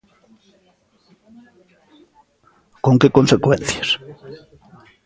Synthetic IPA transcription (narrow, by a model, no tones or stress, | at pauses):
koŋkekonsekwẽnθjas